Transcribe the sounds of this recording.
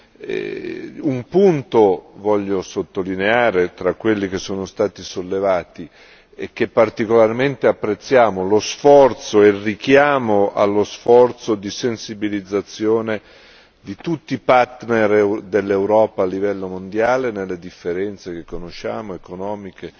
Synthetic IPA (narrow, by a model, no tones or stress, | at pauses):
ɛ̰umpunt̪ovɔʎːosot̪ːolineaːɾet̪ɾakːwelːik̟esːoːnost̪aːt̪isolːevaːt̪i | ek̟ːepːart̪ikolarment̪eapːɾet̪sːjaːmolosfɔrt̪soɛrːikjaːmoʔa̰lːosfɔrt̪sod̪isensibilid̪zːat̪sːjoːne | d̪it̪ut̪ːipart̪nerd̪elːewɾɔːpaːlːivɛlːomond̪jaːlenelːed̪ifːeɾɛnt̪sek̟ekːonoʃːaːmoekonɔːmike